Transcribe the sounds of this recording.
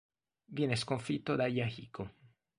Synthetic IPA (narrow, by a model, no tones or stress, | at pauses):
vjɛneskoɱfit̪ːod̪ajahiko